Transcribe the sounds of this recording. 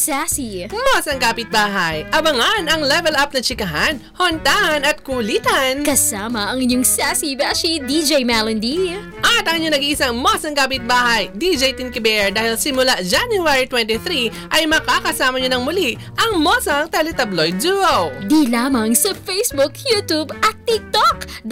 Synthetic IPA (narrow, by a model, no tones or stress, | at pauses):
sasimosɐŋkaːpɪt̪̚baːɦɐjʔɐbɐŋanɐŋlɛvɛlap̚nɐt͡ʃɪkɐɦanhont̪aːhɐnɐt̪̚kuliːt̪ɐnkɐsaːmɐɐŋɪɲːoŋsasibasid̪id͡ʒejmɛlɐnd̪i | ʔɐt̪ɐŋɪɲoŋnɐɡiŋʔɪsaŋmosɐŋkaːpɪt̪̚baːhɐjd̪id͡ʒɛjt̪inkɪbɛɛɹd̪aːhɪlsɪmʊlad͡ʒanjuaɹit̪wɛnt̪iθɾi | ʔɐjmɐkakɐsaːmɐɲonɐŋmʊli | ʔɐŋmosɐŋt̪ɛlɛt̪ɐblojd̪̚d͡ʒuɐwd̪ilaːmɐŋsɐfejsbukʰjut̪ubɐt̪ːik̚t̪ok̪